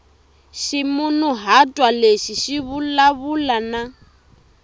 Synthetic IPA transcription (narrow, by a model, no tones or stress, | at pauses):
ʃimunuɦatʼwaleʃiʃiβulaβulana